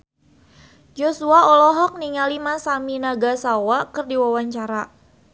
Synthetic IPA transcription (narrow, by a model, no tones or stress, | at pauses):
d͡ʒɔsuaɔlɔɦɔk̚niŋalimasaminaɡasawakɨrdiwawaɲt͡ʃaɾa